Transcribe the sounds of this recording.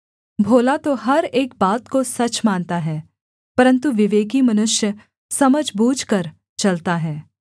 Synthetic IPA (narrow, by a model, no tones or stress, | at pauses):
bʱoːlat̪oɦɐɾeːk̚baːt̪kosɐt͡ʃmaːnt̪aɦɛː | pɐɾə̃nt̪uʋɪʋeːkimɐnʊʃjə | sɐməd͡ʒʱbuːd͡ʒʱkɐɾ | t͡ʃɐlt̪aɦɛː